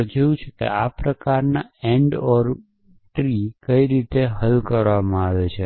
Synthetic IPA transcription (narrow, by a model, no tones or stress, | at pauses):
d͡ʒojũt͡ʃʰekḛapɾəkaɾnaeɳɖɔɾ | ʈɾikəiɾit̪eɦəlkəɾʋamãaʋet͡ʃʰe